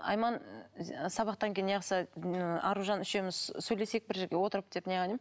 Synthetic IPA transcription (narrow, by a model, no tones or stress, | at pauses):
ɑ̰jmɑn | sɑβɑq̚t̪ɑŋkʲʰejineqsəɑ̰ɾuʒɑnʏʃe̞mɪzsɵjle̞se̞k̚bɪɾʒe̞ɾɡʲewo̞t̪əɾəp̚d̪̥e̞pneʁɑnem